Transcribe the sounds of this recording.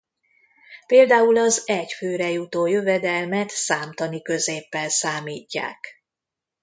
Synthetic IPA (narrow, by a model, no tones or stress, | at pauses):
peːld̪aːulɒzɛcføːɾɛjut̪oːjøvɛd̪ɛlmɛt̪saːmt̪ɒnikø̞zeːpːɛlsaːmiːcːa̰ːk